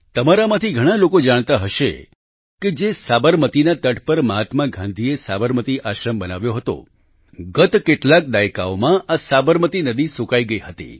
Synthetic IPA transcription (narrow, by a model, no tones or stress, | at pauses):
t̪əmaɾamãt̪ʰiɡʱəɽ̃alokod͡ʒaɽ̃t̪aɦəʃḛ | ked͡ʒesabəɾmət̪inat̪əʈpəɾməɦat̪mãɡʱãnd̪ʱiesabəɾmət̪iʔaʃɾəmbənaʋjoɦət̪o̰ | ɡət̪keʈlak̚d̪ajka̰omãʔasabəɾmət̪inəd̪isukaiɡəiɦət̪ḭ